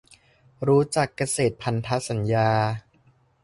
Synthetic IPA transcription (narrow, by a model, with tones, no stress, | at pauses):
ɾuː˦˥t͡ɕa˨˩kːa˧seː˨˩t̪̚pʰa˧nt̪ʰa˦˥sa˩˦njaː˧